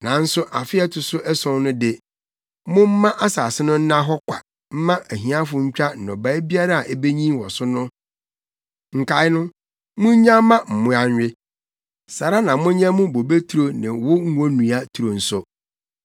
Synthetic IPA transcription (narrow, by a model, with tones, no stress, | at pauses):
nã˨n̩˦sʊ˦ʔa˨fɪ˦ɛ˦tʰʊ˨sʊ˦ʔɛ˦sɔ̃˦nnʊ̃˦dɪ˨ | mʊ̃˦m̩˦mã˦ʔa˦sa˨sɪ˦nʊ̃˦n̩˦nã˦ɦɔ˦kʷʰa̰˨ | m̩˦mã˦ʔæ˨ɦĩ˨˦ã˦fʊ̃˨ɲ̩˦t͡ɕᶣa˦n̩˨nɔ̰̃˨ba˦bi˦a˦ɾa˦a˨ʔɛ˦be˦ɲĩ˦wɔ˨sʊ˦nʊ̃˦ | ŋ̩˨kʰa˨˦ɪ˦nʊ̃˦ | mʊ̃˦ɲã˦mã˦m̩˨mʊ̃˦a˨ɲᶣ˨ɪ˦ | sa˨ɾa˦nã˨mʊ̃˦ɲã˦mʊ̃˦bo˨be˦tʰu˨ɾo˦nã˨wʊ˦ŋ̩˦õ˦nũ˨a˦tʰu˨ɾo˨n̩˨sʊ˦